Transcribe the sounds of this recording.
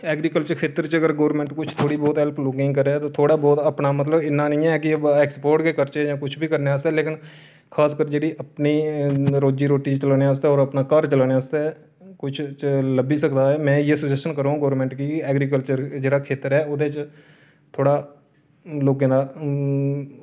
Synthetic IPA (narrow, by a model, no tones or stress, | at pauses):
ɛːɡɾiːkəlt͡ʃəɾkʰeːt̪əɾt͡ʃəɡəɾɡoːɾmɛ̃ːɳʈkʊt͡ʃʰt̪ʰoːɽiːbɔːt̪ɦɛlpʰloːkɪ̃ːŋɡkəɾeɛːt̪oːt̪ʰoːɽaːbɔːt̪əpnaːmət̪ləbɪnːaːnəĩːɛkɪɛːkspoːɾʈkeːkəɾt͡ʃed͡ʒãːkʊt͡ʃʰbʱiːkəɾneːəst̪ɛːleːkɪn | kʰaːskəɾd͡ʒeːɽiːʔəpniːɾoːd͡ʒiːɾoːʈiːt͡ʃt͡ʃəlaːneas̬t̪eːɔːɾəpnaːkəɾt͡ʃəlaːneast̪ː | kʊt͡ʃʰt͡ʃləbiːsəkd̪aːɛːmɛ̃ːjeːsəd͡ʒɛsənkəɾãːũːɡoːɾmɛ̃ːɳʈkiːɛːɡɾiːkəlt͡ʃəɾd͡ʒeːɽaːkʰeːt̪əɾɛːʊd̪eːt͡ʃ | t̪ʰoːɽaː | loːkẽːd̪aː